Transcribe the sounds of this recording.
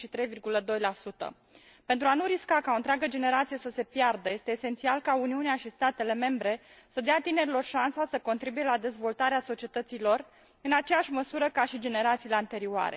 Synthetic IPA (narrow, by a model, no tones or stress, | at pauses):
ʃit̪ɾe̞jvirɡuləd̪o̞jlasut̪ə̰ | pe̞nt̪ɾuanuɾiskakaont̪ɾeaɡəd͡ʒe̞ne̞ɾat̪sije̞səse̞pjard̪əje̞st̪e̞ːse̞nt̪sialkauniuneaʃist̪at̪e̞le̞me̞mbɾe̞ | səd̪eat̪ine̞ɾilo̞rʃansasəko̞nt̪ɾibuje̞lad̪e̞zvo̞lt̪aɾeaso̞t͡ʃie̞t̪ət̪silo̞r | ɨnat͡ʃejaʃʲməsuɾəkaʃid͡ʒe̞ne̞ɾat̪sileant̪e̞ɾiuoa̰ɾe̞̰